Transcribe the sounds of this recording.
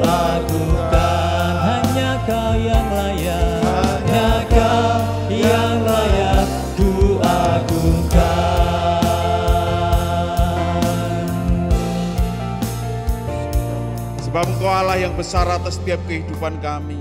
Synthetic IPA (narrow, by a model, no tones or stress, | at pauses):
laɡuka | nɦaɲaɡajaŋlajaɦaɲaɡa | jaŋlaja | d̥uʔaɡuka | səbap̚ŋkaalahjaŋbəsarat̪ast̪iap̚kəɦidupankami